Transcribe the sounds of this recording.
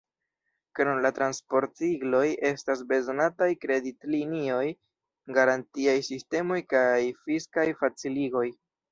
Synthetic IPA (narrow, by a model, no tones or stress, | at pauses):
kɾonlatɾanspo̞ɾtsiɡlo̞je̞stas̬be̞zo̞natajkɾe̞ditlinio̞j | ɡaɾantiajsiste̞mo̞jkajfiskajfat͡siliɡo̞j